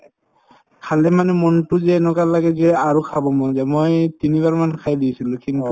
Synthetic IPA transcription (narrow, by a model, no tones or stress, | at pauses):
kʰalɛmanɛmɔntʊzɛnɔkallaɡɛzɛaɹukʰabɔmɔzɛmojtiniβaɹmankʰajdisilʊ̃kʰiŋ